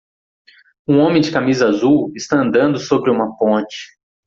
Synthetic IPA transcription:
ũõmẽj̃d͡ʒɪkamizɐazuwɪst̪aɐ̃nd̪ɐ̃nd̪ʊsobɾɪũmɐpõt͡ʃɪ̥

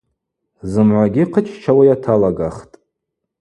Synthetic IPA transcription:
zɨmʕʷaɡʲiqʰət͡ʃʰt͡ʃʰawajatʰalaɡaχtʼ

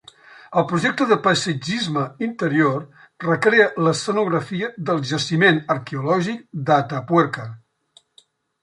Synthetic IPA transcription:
əlˠpɾuʒɛk̚t̪əðəpəsəd͡ʒizməint̪əɾior | rəkɾeələsənuɣɾəfiəðəlˠʒəsimenəɾkeulɔʒik̚d̪at̪apwɛɾkə

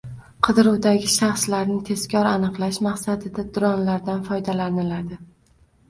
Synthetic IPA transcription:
qʰɨd̪ɪɾuwd̪aɡʲɪʃaχslaɾnɪt̪ʰe̞zkʲɒɾanɨqlˠaʃmaqsad̪ɪd̪ad̪ʊɾɒnlaɾd̪anfɒjd̪alanɪlad̪ɪ

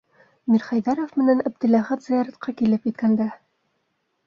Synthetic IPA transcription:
miɾχæjðɑɾofmɘ̆nænæb̚d̪ɘ̆læχæt̪zɘjɑɾæt̪̚qɑkilɘpjɘ̆t̪kænd̪æ

